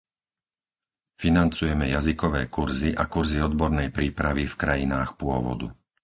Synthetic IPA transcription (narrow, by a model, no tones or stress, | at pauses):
finant͡sujɛmɛjazikɔʋɛːkuɾziʔakuɾziɔd̪bɔɾnɛjpɾiːpɾaʋifkɾajinaːxpʊɔʋɔ̰d̪ṵ